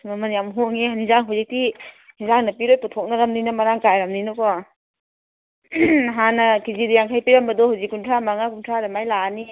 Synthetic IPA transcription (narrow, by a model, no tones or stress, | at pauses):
mamɐnjamɦoŋeɦanizaŋɦawzik̚ti | nizaŋnɐpiɾojputʰɔk̚nɐɾɐmninamaɾaŋkajɾɐmninɔkɔ | ɦanɐkizidijaŋkʰajpiɾɐmbɐdɔhawzikːuntʰɾamaŋakuntʰɾaɾamajlani